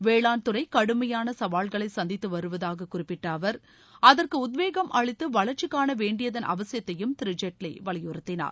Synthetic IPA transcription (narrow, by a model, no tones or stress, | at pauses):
ʋeːɭaːnt̪ɯɾɐɪkɐɽɯmɐjaːnɐsɐʋaːlɣɐɭɐɪsɐnd̪ɪt̪ːɯʋɐɾɯʋɐðaːɣɐkʊrɪpːɪʈːaːʋɐɾ | ɐðɐrkɯʊd̪̬ʋeːɣɐmʔɐɭɪt̪ːɯʋɐɭɐɾt͡ʃɪkːaːnɐʋeːɳɖɪjɐðɐnʔɐ̰ʋɐsɪjɐt̪ːɐjɯmt̪ɪɾɪd͡ʒɐʈːɪlɐɪʋɐɭɪjɯɾɯt̪ːɪna̰ːɾ